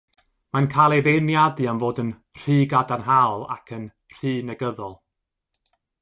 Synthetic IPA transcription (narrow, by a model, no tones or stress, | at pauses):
mankʰajlˠeðenjadɨanvoːdən | r̥iːɡadanɦawlˠa̰kʰən | r̥iːnɛɡəðɔlˠ